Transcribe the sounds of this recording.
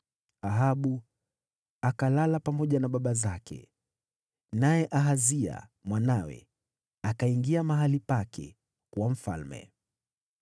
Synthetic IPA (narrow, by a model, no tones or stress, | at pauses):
aɦaɓu | akalalapamɔʄanaɓaɓazakʰɛ̰ | najɛʔaɦazia̰mwanawɛ̰ | akaiŋɡiamaɦalipakʰɛ̰ | kwam̩fa̰lmɛ̰